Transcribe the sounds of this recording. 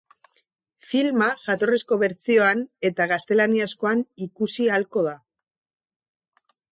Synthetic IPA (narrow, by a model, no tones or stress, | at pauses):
filmaʝat̪o̞resko̞βe̞ɾt͡sio̞ane̞t̪aɣast̪e̞laniasko̞anikusialko̞ð̞a